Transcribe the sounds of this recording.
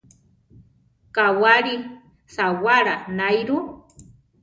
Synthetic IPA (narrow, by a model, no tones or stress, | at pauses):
kawaɾi | sawaɾanajɾu